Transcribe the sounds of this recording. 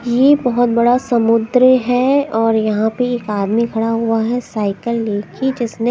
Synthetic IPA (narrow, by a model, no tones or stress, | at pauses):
jebɐɦʊt̪̚bɐɽasɐmʊd̪ɾɦɛɔːɾjɐɦãpeeːkaːd̪mikʰɐɽaɦuaɦɛsaːɪkəlːeːkʰid͡ʒɪsne